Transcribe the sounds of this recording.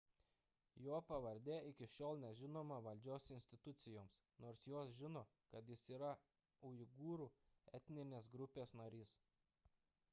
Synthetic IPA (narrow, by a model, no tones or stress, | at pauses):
joːpɐʋɐɾʲd̪ʲeːɪkʲɪʃʲoːlˠnʲɛʒʲɪnoːmɐʋɐlʲd͡ʒʲoːsɪnʲsʲt̪ʲɪt̪ʊt̪sʲɪjoːms | noːɾsjoːsʒʲɪnoː | kɐt̪jɪsiːɾɐ | ʊɪɡuːɾuːɛt̪ʲnʲɪnʲeːs̬ɡɾʊpʲeːsnɐɾʲiːs